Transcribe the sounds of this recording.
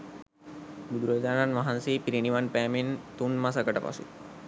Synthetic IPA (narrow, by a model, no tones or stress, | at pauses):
bud̪ɾod͡ʒananʋaɦansipɾiɳiʋanpamint̪unmas̬akəʈapa̰sḭ